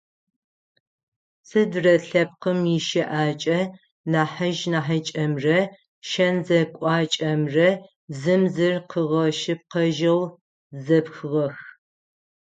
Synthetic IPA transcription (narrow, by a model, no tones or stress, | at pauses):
sɨdrɐɬɐp̚qəmjɪʃɐʔaːt͡ʃʼɐ | naːħɐʒnaːħɐt͡ʃʼɐmrɐ | ʃɐnzɐkʷʼɑːt͡ʃʼɐmrɐ | zɨmzɨrqʰəʁɐʃɪp̚qɐʒɐw | zɐpxɨʁɐx